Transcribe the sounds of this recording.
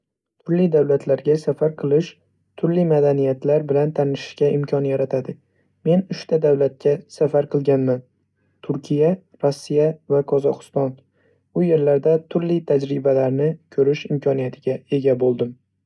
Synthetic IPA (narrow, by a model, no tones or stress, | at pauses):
t̪ʰʊɾlid̪awlat̪ʰlaɾɡʲasafaɾqʰɨlˠɪʃ | t̪ʰʊɾlimad̪anijat̪ʰlaɾbɪlant̪ʰanɪʃɪ̥ʃkʲaʔɪmkʰʲɒnjaɾat̪ʰad̪ɪ | me̞nʊʃt̪ʰad̪awlat̪̚kʲʰasafaɾqʰɨlˠɡʲanman | t̪ʰʊɾkʲʰija | ɾɒsːijavaqʰɒzɒqɨ̥st̪ɒn | bʊje̞ɾlaɾd̪at̪ʰʊɾlɪt̪ʰad͡ʒɾɪbalaɾnɪkʲʰɵɾɪʃɪmkʲʰɒnijat̪ʰɪɡʲae̞ɡʲabolˠd̪ɪm